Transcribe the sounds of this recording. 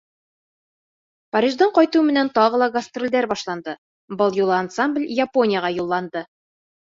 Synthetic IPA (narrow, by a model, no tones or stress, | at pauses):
pɐɾʲiʒd̪ɤɴqɒjt̪umɘ̆nænt̪ɒʁɤ̆lˠɑɡɐst̪rʲilʲd̪æɾbɒʃlˠɑnd̪ɤ | bɤlˠjulˠɤansamblʲjapo̞nʲɪjaʁɑjulˠːɑnd̪ɤ